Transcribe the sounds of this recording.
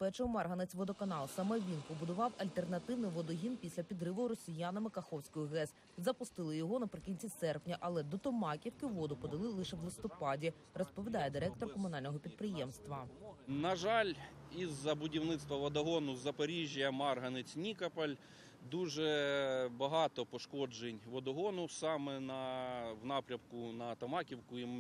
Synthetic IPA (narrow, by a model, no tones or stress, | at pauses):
pɛt͡ʃɛʊmɑrɦɐnet͡sʲʋɔd̪ɔkɐnɑlˠsɐmɛʋʲinpɔbʊd̪ʊʋɑwɐlʲt̪e̞rnɐt̪ɪwnɪjʋɔd̪ɔɦʲinpʲisʲlʲɐpʲid̪ɾɪʋɔɾɔsʲijanɐmɪkɐxɔwsʲkɔjʊɦɛs | zɐpʊst̪ɪlˠɪjɔɦɔnɐpɾɪkʲinʲt͡sʲisɛrpnʲɐʔɐlˠɛd̪ɔt̪ɔmɑkʲiwkɪʋɔd̪ʊpɔd̪ɐlˠɪlˠɪʃɛwlˠɪst̪ɔpɑdʲi | rɔspɔʋʲid̪ɑjɛd̪ɪɾɛk̚t̪ɔrkɔmʊnɑlʲnɔɦɔpʲid̪̚pɾɪjɛmst̪ʋɐnɐʒɑlʲ | izːɐbʊdʲiwnɪt̪st̪ʋɐʋɐd̪ɐɦɔnʊzɐpɐɾʲiʒʲijɐmɑrɦɐnɪt͡sʲnʲikɐpɐlʲ | d̪uʒɛbɐɦɑt̪ɔpɔʃkɔd͡ʒenʲʋɔd̪ɔɦɔnʊsɑmɛnɐwnɑpɾʲɐmkʊnɐt̪ɔmɑkʲiwkʊim